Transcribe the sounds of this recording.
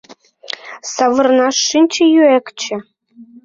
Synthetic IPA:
sɑvɤ̆rnɑʂːinʲt͡ɕĕjyekt͡ɕɘ̆

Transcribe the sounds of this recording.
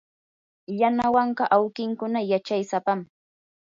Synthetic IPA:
janawɑɴɢɑʔawkɪŋkʊnajat͡ʃajsapam

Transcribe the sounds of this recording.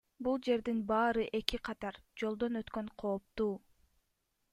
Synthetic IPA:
bulˠd͡ʒe̞ɾd̪inbɑːɾɯʔe̞kiqʰɑt̪ɑɾd͡ʒo̞lˠd̪o̞nøt̪køɴqʰo̞ːp̚t̪uː

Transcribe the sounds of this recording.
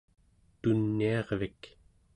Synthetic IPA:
t̪unːiɑʁvik

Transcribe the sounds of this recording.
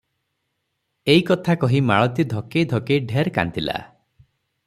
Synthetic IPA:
eikɔt̪ʰakɔɦimaɭɔt̪id̪ʱɔkejd̪ʱɔkejɖʱeɾka̰nt̪ila̰

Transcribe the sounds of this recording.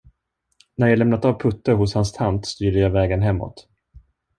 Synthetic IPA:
næɾjalɛmnat̪avpʰɵt̪ːəɾɦʊshanst̪ʰant̪st̪yːɖəjajvɛːɡənɦɛmːɔ̰t̪

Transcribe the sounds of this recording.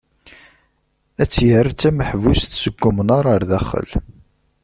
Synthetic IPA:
æt͡sːjərt͡sːæməħvust̪səɡːʊmənaɾˤɑɾðæχə̰l

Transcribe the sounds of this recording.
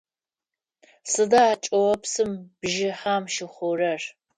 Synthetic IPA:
sɨdɐaːt͡ʃʼɐwɐpsɨmb̥ʒɪħaːmʃɪχʷʊrɐr

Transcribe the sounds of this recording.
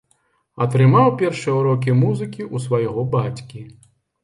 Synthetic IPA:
ɐt̪ɾɨmawpʲɛrʂɨjɛuɾɔk̬ʲimuzɨkʲiʔusvajɣɔbat͡sʲkʲi

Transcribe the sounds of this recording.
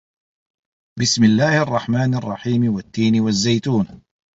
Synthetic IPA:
bɪsmɪlːaːhɑrˤːɑħmaːnɑrˤːɑħiːmwat̪ːiːnɪwazːajt̪uːn

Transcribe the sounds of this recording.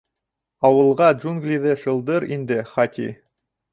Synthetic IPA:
ɑwɤ̆lˠʁɑdʒunɡlʲiðɘʃɤ̆lˠd̪ɤɾḭnd̪ɘχɑtʲḭ

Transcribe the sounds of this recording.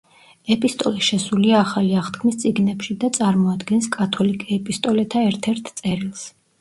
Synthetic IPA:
ɛpʼist̪ʼɔlɛʃɛsuliaːχaliaχt̪kʰmist̪sʼiɡnɛpʃid̪at̪sʼaɾmɔad̪ɡɛnskʼat̪ʰɔlikʼɛɛpʼist̪ʼɔlɛt̪ʰaɛɾt̪ʰɛɾt̪ʰt̪sʼɛɾilˠs

